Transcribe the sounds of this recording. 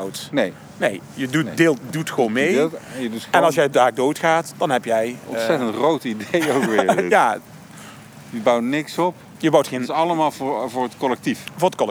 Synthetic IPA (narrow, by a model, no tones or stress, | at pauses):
wtnej | nḛj | jədudeːlˠtdutχʋonmejjədutɛ̃nɑlˠsjɛjdaːk̚dowtχaːtd̥ɑnɦɛpjɛjɔ̃sɛtəntrowtidejowkʋɪɹaː | jəbʌwnɪksɔp | jəbʌwtχensɑləmaːlˠvvʊːɹətkɔlɛk̚tifvʊːɹtkɔl